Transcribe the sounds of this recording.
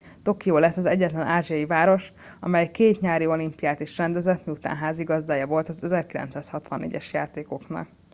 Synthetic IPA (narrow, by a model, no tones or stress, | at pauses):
t̪o̞kijoːlɛsːɒzɛɟːɛt̪lɛnʔaːʒiɒjivaːɾo̞ʃɒ̰mɛjkeːt̪ɲaːɾio̞limpijaːt̪iʃrɛnd̪ɛzɛt̪miut̪a̰ːnɦaːziɡɒzd̪aːjɒvo̞lt̪ɒzɛzɛrkilɛ̰nt̪saːshɒt̪ʋɒnːḛːɟɛʃjaːt̪eːko̞knɒ̰k̚